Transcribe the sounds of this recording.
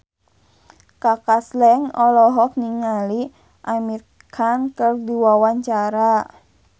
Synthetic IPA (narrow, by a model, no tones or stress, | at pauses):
kakaslɛŋɔlɔɦɔk̚niŋali | ʔamir | kʰankərdiwawaɲt͡ʃaɾa